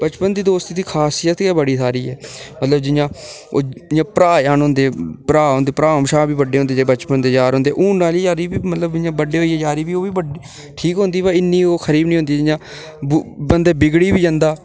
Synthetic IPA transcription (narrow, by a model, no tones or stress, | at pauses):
bət͡ʃpənd̪iːd̪oːst̪iːd̪iːkʰaːsɪjət̪kɛːbəɽiːsʰaːɾiːɛːmət̪ləbd͡ʒɪjãːoːjãːpəɾaːjaːnɦʊ̃ːnd̪eːpɾaːɦõnd̪eːpɾaːmʃaːbiːbəɖeːɦʊnd̪eːeːbət͡ʃpənd̪eːd͡ʒaːɾɦõnd̪eːʔuːnnaːliːd͡ʒaːɾiːbiːmət̪ləbɪãːbəɖeːɦoːiːɛːd͡ʒaːɾiːbiːoːʋiːbəɖiː | ʈʰiːkɦõnd̪iːbaɪnːiːoːkʰəɾiːbnĩɦʊ̃nd̪iːd͡ʒɪjãː | bənd̪eːbɪɡɽiːbiːd͡ʒãːnd̪aː